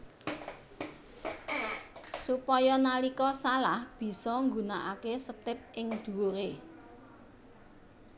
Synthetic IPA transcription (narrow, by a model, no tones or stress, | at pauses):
supɔjɔnalikɔsalahb̥i̤sɔŋɡunaʔakesət̪ɪp̚ʔɪŋd̪̥ṳoɾe